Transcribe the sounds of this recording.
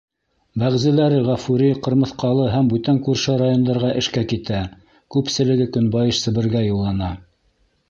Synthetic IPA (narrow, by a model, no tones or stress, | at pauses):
bæʁzɘ̆læɾɘʁæfuɾiqɤ̆ɾmɤ̆θqɑlˠɤɦæmbʉt̪æŋkʉɾʃɘɾajond̪ɑɾʁɑʔɘ̆ʃkækit̪æ | kʉpsɘ̆lɘ̆ɡɘkɵ̆nbɑjɤʃsɘ̆βɘ̆ɾɡæjulˠːɑnɑ